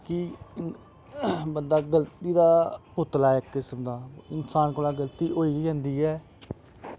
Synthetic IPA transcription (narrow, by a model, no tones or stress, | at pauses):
kɪ | bənd̪aːɡəlt̪iːd̪aːpʊt̪laːɛːkɪsəmd̪aːɪnsaːnkəːlaːɡəlt̪iːʔoːiːɡəiːɦɛ̃ːnd̪iːɛː